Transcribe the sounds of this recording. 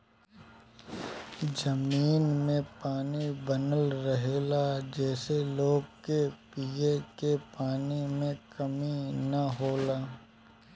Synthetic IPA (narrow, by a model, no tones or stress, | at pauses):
d͡ʒɐmiːnmẽpaːnibɐnəlɾɐɦeːlad͡ʒɛːseloːɡ̚kepiekepaːnimẽkɐminɐɦoːlaː